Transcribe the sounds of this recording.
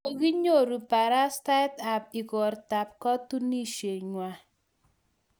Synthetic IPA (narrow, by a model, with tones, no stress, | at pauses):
o˨ɡi˦ɲo˦˨ɾu˨pa˨ɾa˦sta˦ta˨p̚i˨ɡɔ˨ɾta˨p̚kɔ˦tu˦ni˦ʃe˨ɲwa˨